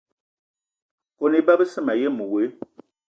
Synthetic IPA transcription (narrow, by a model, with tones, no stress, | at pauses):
ko˨ni˦ba˦bə˦sə˦˨ma˨jɛ˦mu˨we˨˦